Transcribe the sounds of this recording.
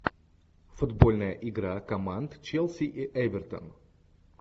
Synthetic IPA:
fʊd̪bolʲnəjəʔɪɡɾakɐmant̪t͡ʃɛlˠsʲiʔiʔɛbʲɪrt̪ə̰n

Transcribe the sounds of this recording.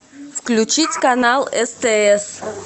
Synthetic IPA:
fklʲʉt͡ɕitʲkɐnalˠɛst̪ɛɛs

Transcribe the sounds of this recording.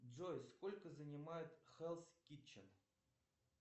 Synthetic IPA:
ʐojskolʲkəzənʲɪmajɪt̪xɛlˠskʲit͡ɕːɪn

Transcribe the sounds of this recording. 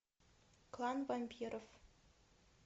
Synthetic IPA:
klˠɑnvɑmʲpʲiɾof

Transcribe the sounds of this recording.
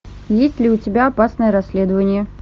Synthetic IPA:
jesʲtʲlʲɪʊtʲɪbʲaɐpasnəjəɾɐsʲːlʲed̪əvənʲɪjə

